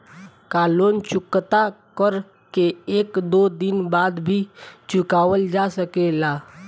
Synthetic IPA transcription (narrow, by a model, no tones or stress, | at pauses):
kaːloːnt͡ʃʊkːt̪akəɾ | keeːkd̪oːd̪ɪnbaːd̪bʱit͡ʃʊkaːwəld͡ʒaːsəkelaː